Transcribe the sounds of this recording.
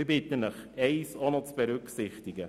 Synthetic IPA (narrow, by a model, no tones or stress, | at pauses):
bɪtənəχɛɪsonɔt͡sb̥ɛɾʏksɪχtɪɡə